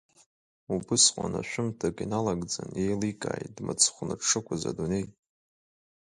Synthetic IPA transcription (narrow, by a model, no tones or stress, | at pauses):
ubɨsqʷʼa̰naʃᶣʷʊmtʰakʼinalaɡd͡zane̞jlikʼa̰ːjdmɨt͡sʰχʷnaʈ͡ʂʰːɨkʷʰaza̰dune̞j